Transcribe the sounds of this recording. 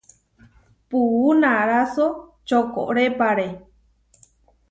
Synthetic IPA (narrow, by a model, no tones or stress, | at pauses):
puunãɾaso | t͡ʃoko̰ʔɾepaɾe